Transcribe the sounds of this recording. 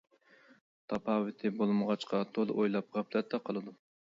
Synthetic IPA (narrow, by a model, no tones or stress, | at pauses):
t̪ʰɑpɑːwɪt̪ʰɪbolˠməʁɑt͡ʃqʰɑt̪ʰolˠojlˠɑp̚ʁæplɛt̪ʰːɛqʰɑlˠɨd̪u